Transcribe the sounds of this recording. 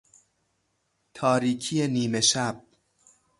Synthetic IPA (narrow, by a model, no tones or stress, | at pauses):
t̪ʰɒːɾiːcʰijeniːme̞ʃæb̥̚